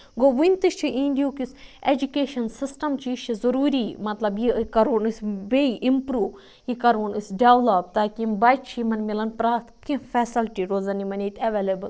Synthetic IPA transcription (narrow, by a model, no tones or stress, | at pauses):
ɡoːʋunʲt̪ɨʃt͡ʃʰiʔĩːnɖijuːkised͡ʒukeːʃɐnsisʈɐmt͡ʃiːʃt͡ʃʰizɐɾuːɾimɐt̪lɐbjikɐɾuːnɨsʋeiʔimpɾuːʋ | jikɐɾuːnisɖeʋlɐpt̪aːkimbaːjt̪t͡ʃʰimɐnmilɐnpɾaːt̪kĩfɛːsɐlʈiɾoːzɐnimɐneːt̪ʰɐʋeːlebɐl